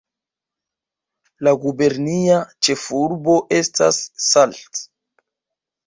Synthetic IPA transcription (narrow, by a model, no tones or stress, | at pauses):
laɡube̞ɾniat͡ʃe̞fuɾbo̞ʔe̞sta̰sːalt